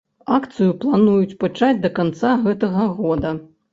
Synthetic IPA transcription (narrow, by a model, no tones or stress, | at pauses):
akt̪sɨjuplˠanujut͡sʲpat͡ʂad͡zʲd̪ɐkant̪saɣɛt̪ɐɣɐɣɔd̪ɐ